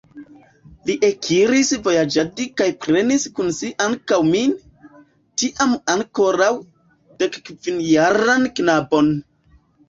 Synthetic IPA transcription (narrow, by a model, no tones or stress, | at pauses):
liʔekʰiɾisvo̞jad͡ʒadikajpɾe̞niskunsiʔaŋkawmi | tiʔamaŋko̞ɾaw | d̥e̞kkvinjaɾanknabo̞n